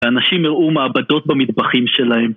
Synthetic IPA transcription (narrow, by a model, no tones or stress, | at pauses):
anaʃimiʁumaːbad̪o̞t̪̚bamid̪baχimʃe̞lahem